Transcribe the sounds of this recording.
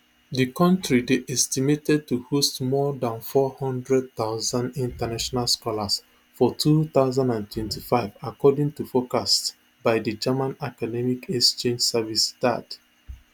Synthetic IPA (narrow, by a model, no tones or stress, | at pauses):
dikɔ̃ntɹideʔɛstimetɛd̚tuhostmɔdãnfɔhɔ̃ndɹɛd̚θaʊzãndĩntanaʃɔnalskɔlas | fɔtʰuθaʊzãndãntʰwɛ̃ntifaɪvakɔdĩŋtufokast | baɪdɨd͡ʒamãnakadɛmikɛst͡ʃẽnd͡ʒsɛvista̰d